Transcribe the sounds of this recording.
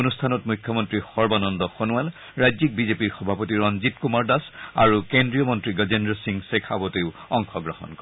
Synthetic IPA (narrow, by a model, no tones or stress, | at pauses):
onustʰanɔtmujkʰːjɔmɔntɹixɔɹbanɔndɔxonuwal | ɹajzik̚bizepiɹxɔbʱapotiɹɔnzitkumaɹdasa̰ɹukendɹijɔmɔntɹiɡəzendɹɔsiŋsekʰabɔteʊɔŋxɔɡɹɔhɔ̰nkɔ